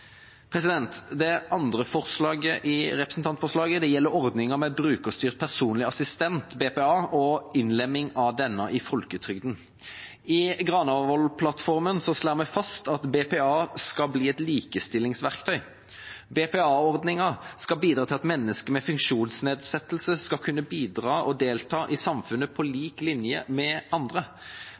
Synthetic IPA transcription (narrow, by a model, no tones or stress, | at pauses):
pʰʁɛsɪd̪ɛnt̪d̪ɛʔɑnd̪ʁəfɔʁslɑːɡəʔɪʁɛpɾəsn̩t̪ɑnt̪fɔʁʂlɑːɡəd̪ɛjɛlːəɾɔʁd̪nɪŋəmɛbɾʉːkəst̪yːʁt̪̚pʰæʁsuːnlɪɑsɪst̪ɛnt̪beːpeːɑːʔɔɪnlɛmːɪŋɑd̪ɛnːɑʔɪfɔlkət̪ʰʁʏɡd̪n̩ | ɪɡʁɑnɑɔlpʰlɑt̪fɔʁmənsɔslæːʁmɛfɑst̪ɑt̪beːpɛːɑːskɑbliːɛt̪liːkəst̪ɪlːɪŋsʋæʁkt̪ʰœʏ | beːpeːɑːɔʁd̪nɪŋɑskɑbiːd̪ɾʁɑt̪ɪlɑt̪mɛnːəskəmɛfʉŋkʃuːnsneːd̪sɛt̪lsəskɑkʰʉnːəbiːd̪ʁɑːʔɔd̪eːlt̪ʰɑːʔɪsɑmfʉnːəpʰɔliːklɪnjəmɛɑnd̪ʁə